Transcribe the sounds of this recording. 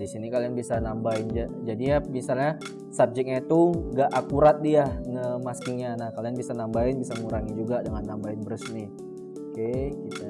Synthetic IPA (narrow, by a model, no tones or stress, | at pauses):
disinikalianbisanambaɪnd͡ʒad͡ʒadijamisalɲa | sap̚d͡ʒɛk̚ɲait̪uŋɡaʔakuɾat̪̚dianəmaskɪŋɲanahkalianbisanambaɪnbisaŋuɾaŋid͡ʒuɡadəŋanːambaɪnbəɾəsnɪh | okekit̪a